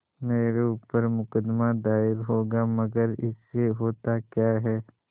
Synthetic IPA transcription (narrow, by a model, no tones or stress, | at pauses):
meːɾeuːpəɾmʊkəd̪mad̪aːɪɾɦoːɡamɐɡəɾɪ̰sːeɦoːt̪akjaːɦɛː